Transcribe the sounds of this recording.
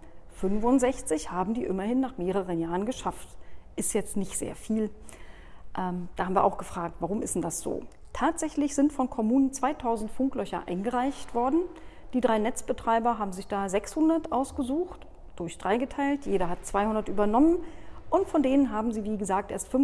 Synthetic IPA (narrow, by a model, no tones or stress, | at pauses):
fʏnvʊnzɛçt͡sɪçhaːbm̩diːʔɪmɐhɪnːaːχmeːʁəʁ̞ənjaːʁənɡəʃaftʔɪstjɛt͡stnɪçtz̥ḛːɐfiːl | ʔɛːmd̥aːhabm̩viːɐʔa̰ʊxɡ̥əfʁ̥aːk̚tv̥aʁ̞ʊmʔɪstn̩d̥asz̥o̰ː | tʰaːtz̥ɛçlɪçz̥ɪntfɔnkʰɔmuːnənt͡sv̥aɪtʰaʊzn̩tfʊŋklœçɐ̰ʔa̰ɪnɡəʁaɪçtv̥ɔɐdn̩ | d̥iːdʁaɪnɛt͡sb̥ətʁ̥aɪbɐɦaːbm̩zɪçd̥aːzɛkshʊndɐtʔaʊsɡ̥əzuːxt | d̥ʊɐçd̥ʁaɪɡətʰaɪltjeːɾɐɦatt͡sv̥aɪhʊndɐtʔyːbɐnɔmənʔʊntfɔndeːnənɦaːbm̩ziːviːɡəzaːk̚tʔeːɐstfʏn